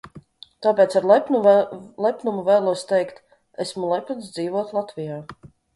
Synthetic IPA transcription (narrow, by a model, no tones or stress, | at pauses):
t̪aːpʲɛːt̪saɾlˠɛpnulˠɛpnumuvɛːlˠuɔst̪ɛjkt̪ | ɛsmulˠɛpʲns̬d̪ziːvuɔt̪lˠat̪vijaː